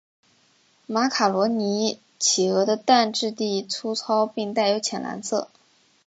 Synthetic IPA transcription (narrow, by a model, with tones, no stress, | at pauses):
ma˧˥kʰa˨˩lwɔ˧˥ni˧˥ | t͡ɕʰi˨˩ɤ˧˥d̪ə˧t̪a˥˧nʈ͡ʂɻ̩˥˧t̪i˥˩t͡sʰu˥t͡sʰɑ˥ʊpi˥˧ŋt̪a˥˩ɪjo˧˥ʊt͡ɕʰjɛ˨˩nlʔa̰˧˥nt͡sʰɤ̰˥˩